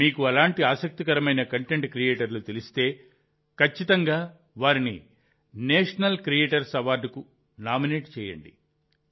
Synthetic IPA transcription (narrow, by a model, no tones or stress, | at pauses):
miːkuɐlaːɳʈiaːsɐk̚t̪ikɐɾɐmɐjnɐkɐɳʈeɳʈkɾijeːʈɐɾlut̪elist̪e̞ː | kʰɐt͡ʃːit̪ɐŋɡaː | ʋaːɾinḭ | nɛːʂɐnɐlkɾijeːʈɐɾsɐʋaːɖ̪ku | naːmineːʈt͡ʃɛːjɐ̰ɳɖḭ